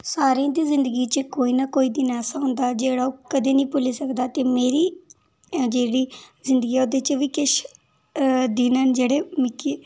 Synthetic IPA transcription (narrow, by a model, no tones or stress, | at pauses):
saːɾiãːd̪iːzɪ̃nd̪əɡiːt͡ʃəkoːiːnaːkoːiːd̪inɛːsãːɦʊ̃nd̪aːd͡ʒeːɽaːoːkəd̪eːnəĩːpʊliːsəkd̪aːt̪eːmeːɾiː | d͡ʒeːɽiːzɪnd̪əɡiːɛoːd̪et͡ʃʋiːkɪʃ | d̪iːnaːnd͡ʒeːɽeːmɪkːiː